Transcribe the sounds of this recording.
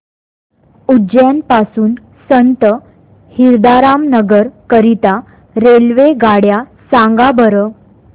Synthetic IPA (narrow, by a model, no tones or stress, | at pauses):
ud͡ʑjanpasuːn | sənt̪ə | hiɾd̪aɾamnəɡəɾkəɾit̪a | ɾelʋeɡaɽjasãŋɡabʱəɾə